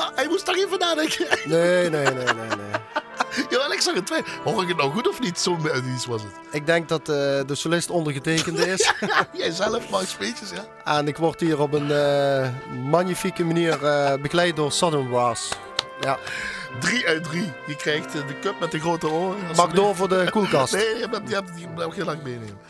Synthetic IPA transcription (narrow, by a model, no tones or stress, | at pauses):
ɛjmustɔxiːvənaːdɛŋkəneneːnenenḛ | jaːʋɛlɪksɑɣətʋehoːrdɪkət̚nɔwɣutɔfnitsoːmœtisʋɑzət | ɪk̚dɛŋk̚dɑtːdəsolɪstɔndərɣəteːkəntɪsjɛjzɛləfmɑspeːtəsja | ɛnɪkʋɔrtɦiːrɔpənə | maɲifikəmaniːrəbəkəlɛjt̚doːɹsɔdənwɑːs | jadriœɥdrijəkrɛjxtdəkøp̚mɛtəɣroːtəoːrpɑɡdoːvodəkulˠkɑsneːjdiɛ | ɔxelɑŋmejneːmə